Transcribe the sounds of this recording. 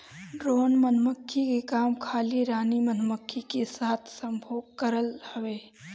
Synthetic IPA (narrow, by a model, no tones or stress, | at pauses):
ɖɾoːnmənməkʰːikekaːmkʰaːliɾaːnimɐnməkʰːikesaːt̪ʰsə̃mbʱoːɡ̚kəɾəlhɐʋeː